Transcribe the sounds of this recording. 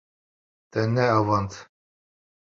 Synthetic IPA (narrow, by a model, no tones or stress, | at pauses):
t̪ɛnːɛɑvɑnt̪ʰ